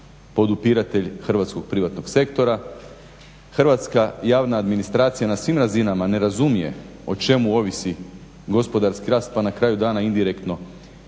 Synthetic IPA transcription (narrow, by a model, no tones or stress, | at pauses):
po̞d̪upiɾat̪e̞ʎxr̩ʋat̪sko̞ɡ̥̚pɾiʋat̪no̞ɡse̞kt̪o̞ɾa | xr̩ʋat̪skajaːʋnaːd̪minist̪ɾaːt̪sijanasʋimɾazinamane̞ɾazumije̞̰ | o̞t͡ʃe̞muo̞ʋisi | ɡo̞spo̞d̪aɾskiɾaːst̪̚panakɾaːjud̪aːnaind̪iɾekt̪no̞